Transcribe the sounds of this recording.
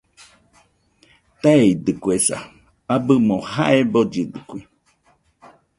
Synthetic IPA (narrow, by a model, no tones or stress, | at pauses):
t̪eid̪ɨkuesa̰ | abɨmohaʔebod͡ʒɨd̪ɨkʷi